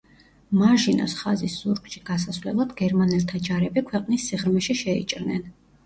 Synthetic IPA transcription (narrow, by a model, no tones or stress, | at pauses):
maʒinɔ̰sχazisz̥uɾɡʼʃiɡ̥asasvlɛ̰lˠad̪ɡɛɾmanɛlt̪ʰad͡ʒaɾɛbikʰwɛqʼnisːiʁɾmɛʃiʃɛḭt͡ʃʼɾnɛ̰n